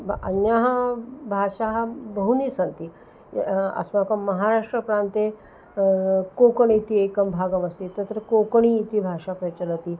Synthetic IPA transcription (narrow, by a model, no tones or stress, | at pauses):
ɐ̰njaɦabʱaʂaɦabəɦunisɐnt̪i | ɐ̰smakɐmɐɦaɾaʂʈɾəpɾant̪e | kokɳit̪iekɐmbʱaɡəmɐsit̪ɐt̪ɾəkokɳ̃iːt̪ibʱaʂapɾət͡ɕələt̪iː